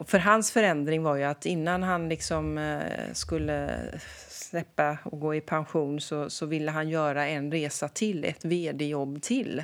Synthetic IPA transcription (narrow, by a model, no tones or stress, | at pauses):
fœɾɦansfœɾɛnd̪ɾɪŋvaɾjɵat̪ɪnːanɦanlɪksɔmskɵlːə̰ | slɛpːaɔɡoːɪpʰanɧuːnsɔsɔvɪlːəɦanjœːɾaɛnɾeːsat̪ʰɪlːɛ̰t̪veːd̪ɛjɔbːt̪ʰɪl